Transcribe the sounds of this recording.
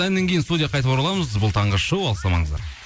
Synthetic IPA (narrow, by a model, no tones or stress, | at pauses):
ænːeŋkʰʲe̞jɪnst̪ud̪ʲijɑqʰɑjt̪əpɑɾɑlˠɑməzbʊlˠt̪ʰɑɴʁəʃəwɑlˠəsɑmɑ̰ɴəzd̪ɑ̰ɾ